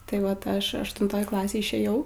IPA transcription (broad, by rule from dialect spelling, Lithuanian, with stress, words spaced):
tɐɪ ˈʋɐt ˈɐʃ ɐʃtʊnˈtoːj ˈklˠɑːsʲeːj ɪʃʲeːˈjɛʊ